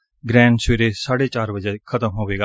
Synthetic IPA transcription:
ɡɾɛ̃ːɳɖsʋeːɾeːsaːɽeːt͡ʃaːɾbəd͡ʒɛːkʰət̪əmɦoːʋeːɡaː

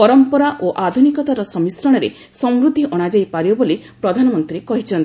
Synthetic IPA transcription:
pɔɾɔmpɔɾaʔoʔad̪ʱunikɔt̪aɾɔsɔmisɾɔɽ̃ɔɾe | sɔmɾud̪ʱiʔɔɽ̃ad͡ʒajpaɾjɔboli | pɾɔd̪ʱanɔmɔnt̪ɾikɔɦit͡ʃʰɔnt̪

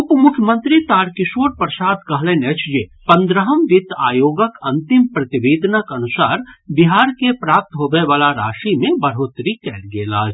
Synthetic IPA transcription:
ʊpmʊkʰjəmə̃nt̪ɾit̪aːɾkɪʃoːɾpɾəsaːd̪kɐɦlẽnet͡ʃd͡ʒepɐ̃nd̪ɾəɦəmʋɪt̪a̰ːjoːɡəkɐ̃nt̪ɪmpɾɐt̪ɪʋeːd̪nəkɐnʊsaːɾbɪɦaːɾkepɾaːp̚t̪ɦoːɡəeʋaːlaɾaːʃimẽbɐɾɦoːt̪ɾikɛːɾɡeːla̰ːd͡ʒ

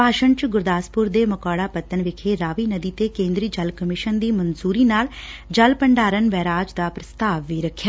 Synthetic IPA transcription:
paːʃəɳt͡ʃɡʊɾd̪aːspʊɾd̪eːməkaːɽaːpət̪ːənʋɪkʰeːɾaːʋiːnəd̪iːt̪eːkẽːnd̪ɾiːd͡ʒəlkəmɪʃənd̪iːmənzuːɾiːnaːld͡ʒəlpəɳɖaːɾənʋɛːɾaːd͡ʒd̪aːpɾəst̪aːʋːiːɾəkʰːjaː

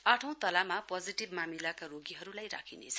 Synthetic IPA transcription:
aʈʰʌ̃w̃t̪ʌlamapʌd͡ziʈibmamilakaroɡiɦʌɾulajɾa̰kʰinḛt͡sʰʌ

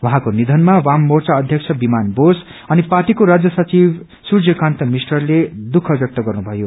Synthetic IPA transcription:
waɦãkonid̪ʱʌnmawamːort͡saʌd̪ʱjʌk̚t͡sʰʌbimanbos | ʌniparʈikoɾad͡zjʌsʌt͡sib | surd͡zʌkãnt̪ʌmisʈʌrled̪ukʰʌbjʌk̚t̪ʌɡʌrnubʱʌjo

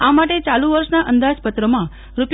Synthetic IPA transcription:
amaʈet͡ʃalũʋəɾʃnaʔənd̪ad͡ʒpət̪ɾəmã | ɾup

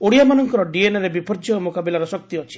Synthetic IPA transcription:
oɽijamanɔŋkɔɾɔɖienɔɾebipɔɾd͡ʒɔmokabilaɾɔsɔk̚t̪iɔt͡ʃʰi̥

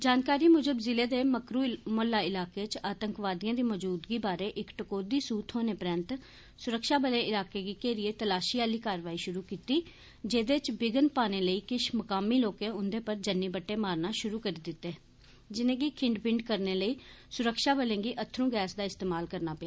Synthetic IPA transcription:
d͡ʒaːnkaːɾiːmʊd͡ʒəbzɪleːd̪eːməkɾuːmoːlːaːɪlaːkeːt͡ʃaːt̪əŋkʋaːd̪ɪjãːd̪iːməd͡ʒuːd̪ɡiːbaːɾeːʔɪkʈəkoːd̪iːsuːt̪ʰɦoːneːpɾə̃nt̪ | sʊɾəkʃaːbəlẽːɪlaːkeːɡiːkeːɾɪeːt̪əlaːʃiːaːliːkaːɾʋaːiːʃʊɾuːkiːt̪iː | d͡ʒeːd̪eːt͡ʃbɪɡənpaːneːləiːkɪʃməkaːmiːloːkẽːʊnd̪eːpəɾd͡ʒənːiːbəʈːeːmaːɾnaːʃʊɾuːkəɾiːd̪ɪt̪ːeː | d͡ʒɪnẽːɡiːkʰɪ̃ɳɖpɪ̃ɳɖkəɾneːləiː | sʊɾəkʃaːbəlẽːɡiːʔət̪ʰːɾũːɡɛːsd̪aːɪst̪eːmaːlkəɾnaːpəaː

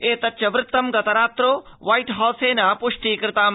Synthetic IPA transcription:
eːt̪ɐtːt͡ʃɐʋɾɪt̪ːɐmɡɐt̪ɐɾaːt̪ɾoː | ʋaːiʈɦɔːseːnaːpʊʂʈiːkɾɪt̪aːm

